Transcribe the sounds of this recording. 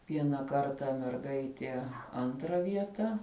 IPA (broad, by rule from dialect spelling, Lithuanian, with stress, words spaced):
ˈʋʲiɛnɐ ˈkɐrtɐ mʲɛrˈɡɐɪtʲiɛ ˈɐntrɐ ˈʋʲiɛtɐ